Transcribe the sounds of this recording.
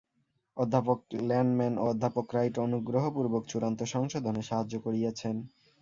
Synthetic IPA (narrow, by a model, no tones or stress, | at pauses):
od̪ʱːapok̚lɛɳɖmɛnod̪ʱːapokɾajʈonuɡɾoɦopuɾbokt͡ɕuɾant̪oʃɔŋʃod̪ʱoneʃaɦad͡ʑokoɾijat͡ɕʰen